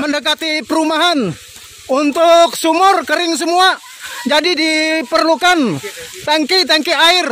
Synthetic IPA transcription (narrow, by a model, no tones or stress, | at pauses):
məndəkat̪ipəɾumaɦan | unt̪ʊk̚sumʊrkəɾɪŋs̬əmua | d͡ʒadidipərlukant̪aŋkit̪aŋkiaɪr